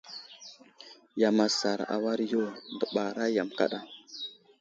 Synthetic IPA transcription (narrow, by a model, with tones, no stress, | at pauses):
ja˨ma˨sa˨ɾa̰˨wa˦ɾjo˦˨ndə˨ɓa˨ɾa˦ja˨mka̰˦ɗa˦